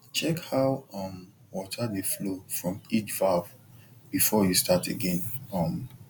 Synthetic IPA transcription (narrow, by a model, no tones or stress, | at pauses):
t͡ʃɛkhaʊʌm | wɔtʰadeflofɹɔ̃mit͡ʃvav | bifɔjustʰatʰeɡɛ̃nʌm